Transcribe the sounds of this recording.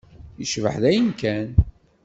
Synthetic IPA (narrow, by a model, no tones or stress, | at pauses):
jəʃvə̰ħðæjənkæn